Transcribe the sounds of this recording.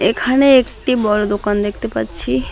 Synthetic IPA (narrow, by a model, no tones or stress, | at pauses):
ekʰaneekʈibɔlod̪okand̪ekʰt̪epə̰t͡ʃʰi